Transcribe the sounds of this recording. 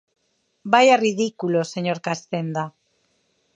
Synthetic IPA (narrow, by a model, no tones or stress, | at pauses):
bajariðikulo̞se̞ɲo̞ɾkast̪e̞nd̪a